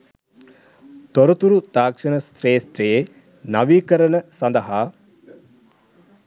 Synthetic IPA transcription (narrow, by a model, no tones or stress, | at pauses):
t̪oɾut̪uɾud̪aːkʂɐnəst̪ɾeːst̪ɾeje | nɐʋiːkəɾənəsɐnd̪ɐɦaː